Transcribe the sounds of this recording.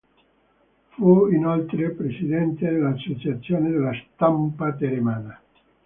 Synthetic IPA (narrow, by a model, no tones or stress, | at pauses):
fuinolt̪ɾepɾesid̪ɛnt̪ed̪elasːot͡ʃat̪sːjoːned̪elast̪ampat̪̬eɾemana